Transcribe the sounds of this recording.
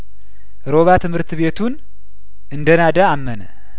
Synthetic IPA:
ɾo̞βat̪ʰɨmhɨɾt̪βe̞t̪ʰun | ɨnd̪ənad̪aːmːənə̰

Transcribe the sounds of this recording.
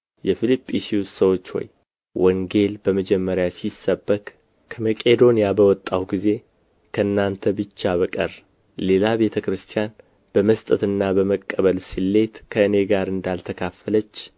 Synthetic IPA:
jɛfilipʼːisiwssəwo̞t͡ʃːwɔ̰j | wɔŋɡe̞lbəməd͡ʒɛmːəɾjasisːəbːəkʼ | kʰəməkʼe̞d̪o̞nijabəwɔt̪ʼːawɡize̞ | kʰəɨnːant̪ʰəbɨt͡ʃːaβəkʼər | le̞labe̞t̪ʰəkɾɨst̪ʰijan | b̥əməst̪ʼət̪ɨnːabəməkʼːəβəlsilːe̞t̪kʰəɨne̞ɡaɾɨnd̪alt̪ʰəkʰafələt͡ʃː

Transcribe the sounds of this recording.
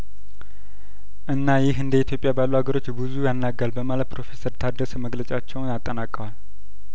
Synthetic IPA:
ʔɨnːajɪhɨnd̪əit̪ʰjo̞pʼjabalːuhaɡəɾo̞t͡ʃːbɨzujanːaɡːalbəmalət̪̚pʰɾo̞fe̞səɾt̪ʰad̪əsəməɡlət͡ʃʼat͡ʃːɛwnat̪ʼːənakʼːəwal

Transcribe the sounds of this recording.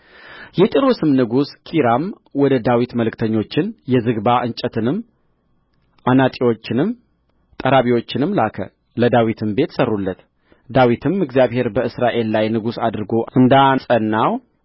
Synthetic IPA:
jɛt̪ʼiɾosɨmnɨɡuskʰiɾam | wɔd̪əd̪awit̪məlɨkt̪ʰəɲːo̞t͡ʃːɪnjɛzɨɡbaʔɨɲt͡ʃʼət̪ʰɨnɨm | ʔanat̪ʼiwo̞t͡ʃːɪnɨm | t̪ʼəɾaβiwo̞t͡ʃːɪnɨmlakʰə̰ | ləd̪awit̪ʰɨmbe̞t̪sərːulːət̪ | d̪awit̪ʰɨmɨɡzjaβhe̞ɾbəɨsɾaʔe̞lːajnɨɡusad̪ɾɨɡo̞ɨnd̪asʼənːaw

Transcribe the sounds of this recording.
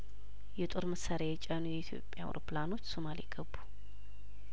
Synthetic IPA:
jɛt̪ʼo̞ɾməsaɾajɛt͡ʃʼanujɛit̪ʰjo̞̰pʼːja̰w̰o̰ɾoplano̞t͡ʃːso̞maliɡ̥əbːu̥

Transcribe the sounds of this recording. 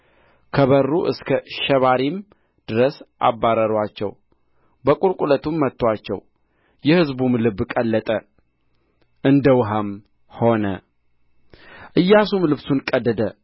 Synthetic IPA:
kʰəβərːuʔɨskʰəʃɛβaɾim | d̪̥ɨɾəsʔa̰bːaɾəɾwat͡ʃːɛ̰w | bəkʼuɾkʼulət̪umːət̪ːwat͡ʃːɛ̰w | jɛhɨzbumlɨbːkʼəlːət̪ʼə | ʔɨnd̪əwɦam | ho̞nə | ʔɨjːasumlɨβsunkʼəd̪ːəd̪ə

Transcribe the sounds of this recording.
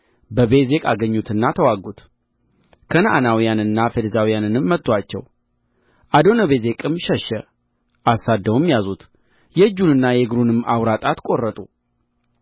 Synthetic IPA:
bəbe̞ze̞kʼaɡəɲːut̪ɨnːat̪ʰəwaɡut̪ | kʰənəʔanawijanɨnːafed̪əzawijanɨnɨmːət̪ʼːwat͡ʃːɛ̰w | ʔad̪o̞nəβe̞ze̞kʼɨmʃɛʃɛ | ʔasad̪ːəwmjazut̪ | jɛɨd͡ʒːunɨnːajɛɡɾunɨmawɾat̪ʼat̪kʼo̞rːət̪ʼu

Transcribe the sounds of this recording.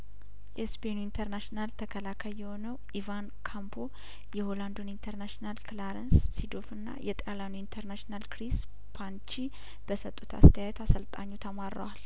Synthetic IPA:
jɛspʰenuint̪ʰəɾnaʃnalt̪ʰəkʰəlakʰəjjɛho̞nəwʔivankʰambʰo | jɛho̞land̪onint̪ʰəɾnaʃnalklaɾənsːid̪ofɨnːa̰jɛt̪ʼalanuint̪ʰəɾnaʃnalkɾis | pʰant͡ʃi | b̥əsət̪ʼːut̪ʰa̰st̪ʰəjajɛt̪asəlt̪ʼaɲːut̪ʰəmaɾːə̰wal

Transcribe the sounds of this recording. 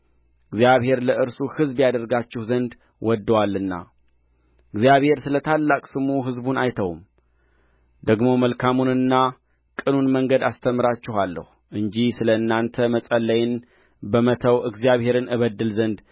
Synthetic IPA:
ʔɨɡzijaβhe̞ɾləʔɨɾsuhɨzbjad̪əɾɡat͡ʃːɪhzənd̪ | wʔɔd̪ːəwalːɨnːa̰ | ɨɡzijaβhe̞ɾsɨlət̪ʰalːakʼsɨmuɦɨzbunajt̪ʰəwm | d̪əɡmo̞məlkʰamunɨnːa | kʼɨnunməŋɡəd̪ast̪ʰəmːɨɾat͡ʃːɪɦalːə̰huʔɨɲd͡ʒisɨləɨnːant̪ʰəməsʼəlːəjɪn | bəmət̪ʰəwʔɨɡzijaβhe̞ɾɨnɨβəd̪ːɨlzənd̪

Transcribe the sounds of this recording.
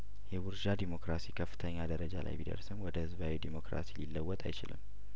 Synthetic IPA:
jɛwʊɾʒad̪imo̞kɾasikʰəfːɨ̥t̪ʰəɲːad̪əɾəd͡ʒala̰jbid̪ə̰ɾsɨmwɔd̪əhɨzβawid̪imo̞kɾa̰sililːəwːɔt̪ʼa̰jt͡ʃɪ̰lɨ̰m

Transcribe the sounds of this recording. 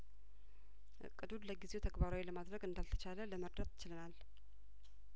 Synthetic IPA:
ʔɨ̰kʼːɨd̪ud̪ləɡizet̪ʰəɡbaɾawiləmad̪ɾəɡɨnd̪alt̪ʰə̥t͡ʃalələməɾd̪ət̪jɪt͡ʃɪlɨnal

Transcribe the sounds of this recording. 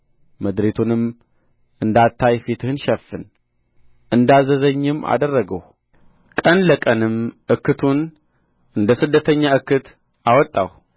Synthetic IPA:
məd̪ɾet̪ʰunɨm | ʔɨnd̪at̪ʰːajfit̪ʰɨhɨnʃɛfːɨn | ʔɨnd̪azəzəɲːɪmːa̰d̪ərːəɡəw | kʼənləkʼənɨmʔɨkʰːɨt̪ʰun | ʔɨnd̪əsɨd̪ːət̪ʰəɲːaɨkːɨt̪ | ʔawɔt̪ʼːa̰w

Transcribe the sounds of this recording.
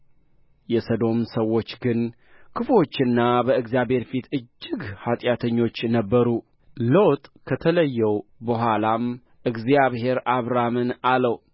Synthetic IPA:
jɛsəd̪o̞msəwːo̞t͡ʃːɡɨn | kʰɨfo̞t͡ʃːɨnːabəɨɡzijaβhe̞ɾfit̪ɨd͡ʒːɪɡhat̪ʼjat̪ʰəɲːo̞t͡ʃːnəbːəɾu | ləwt̪ʼkʰət̪ʰələjːɛwbəɦʷalam | ʔɨɡzjaβɦe̞ɾaβɾamɨnaləw

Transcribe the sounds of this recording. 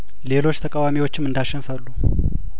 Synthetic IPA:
le̞lo̞t͡ʃːt̪ʰəkʼawamiwot͡ʃːɪmːɨnd̪aʃɛnfəlːu

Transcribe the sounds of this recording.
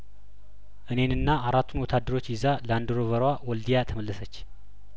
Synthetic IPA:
ʔɨne̞nɨnːaʔaɾat̪ʰːunwɔt̪ʰad̪ːəɾo̞t͡ʃːjɪzaləand̪ɨɾoβəɾwawɔld̪ijat̪ʰəməlːəsət͡ʃː

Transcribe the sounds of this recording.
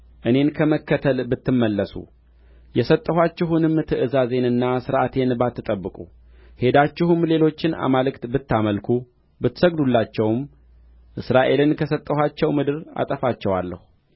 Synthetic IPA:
ʔɨne̞nkʰəməkːət̪ʰəlbɨt̪ːɨmːəlːəsṵ | jɛsət̪ʼːəɦat͡ʃːɪɦunɨmːt̪ʰɨʔɨzaze̞nɨnːasɨɾʔat̪ʰe̞nbat̪ːɨt̪ʼəbːɨkʼu | he̞d̪at͡ʃːɪhɨmle̞lo̞t͡ʃːɪna̰malɨkt̪bɨt̪ːaməlkʰu | bɨt̪ːsəɡd̪ulːat͡ʃːɛwm | ʔɨsɾaʔe̞lɨnkʰəsət̪ʼːəhat͡ʃːɛwmɨd̪ɨɾa̰t̪ʼəfat͡ʃːɛwalːə̰hu

